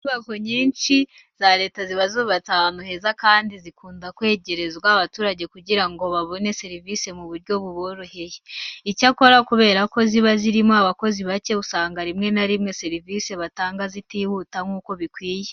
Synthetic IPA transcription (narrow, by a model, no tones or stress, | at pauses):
tuβako̞ɲiːnʃi | z̥aɾe̞ːtaziβazuβataːnuhe̞zakaːndizikuːndakwe̞ːɟe̞ɾe̞zβwaβatuːɾaɟe̞kuɟiɾaŋɡo̞βaβo̞ne̞se̞ɾivise̞muβuɾɟo̞βuβoɾuhe̞jeicako̞ɾakuβe̞ːɾako̞ziβaziɾimoaβako̞ziβace̞βusaːŋɡaɾimŋe̞naɾimŋe̞se̞ɾivise̞βataːŋɡazitihutaŋɡuːko̞βikwiːje